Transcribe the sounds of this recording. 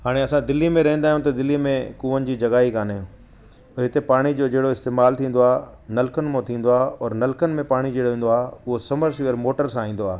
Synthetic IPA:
ɦaːɽ̃eɐsãd̪ɪlːimẽɾɐɦn̆d̪aːɦijũt̪̬ɐd̪ɪlːimẽkuːʋənɪ̆d͡ʑiːd͡ʑɐɡaːɦikaːnaːjũː | ɔːɾɦɪt̪epaːɽ̃id͡ʑoːd͡ʑɐɦɪɽoɪst̪eːmaːlt̪ʰĩːn̆d̪oaːɦ | nɐlkənɪ̆mõt̪ʰĩːn̆d̪oaːɔːɾnɐlkənɪ̆mẽpaːɽ̃id͡ʑɐɦɽoɦĩːn̆d̪oaːʊɦosɐməɾsʋiəɾmoːʈəɾsãːĩːnd̪oaːɦ

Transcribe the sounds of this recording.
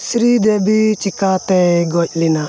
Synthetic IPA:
sɾid̪ebit͡ʃikat̪eɡɔc̚ʲlina

